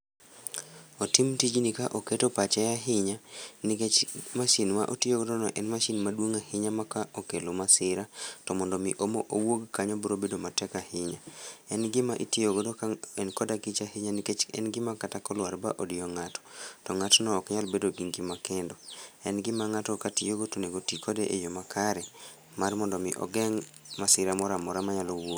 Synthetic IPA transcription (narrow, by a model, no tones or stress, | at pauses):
otimtid͡ʒnikaʔoketopat͡ʃɛaɦɪɲaniket͡ʃmaʃinmaʔotijoɡodɔnɔʔɛnmaʃinmadwoŋahɪɲamakaʔokelomasɪɾatɔmɔndɔmiʔomoʔowoɡkaɲɔbɔɾobedomatɛkahɪɲaɛnɡɪmaʔḭtioɡodoɛnkɔdakit͡ʃahɪɲaniket͡ʃɛ̰nɡɪmakatakɔlwaɾbaʔodɪjɔŋatɔ̥tɔŋatɔnɔːkɲalbedoɡiŋɡimakendɔɛnɡɪmaŋatɔkatijoɡotoneɡotikʰɔdeʔejomakʰaɾɛ | marmɔndɔmɪ̰ʔɔ̰ɡɛŋ | masɪɾamɔɾamɔɾamaɲalowo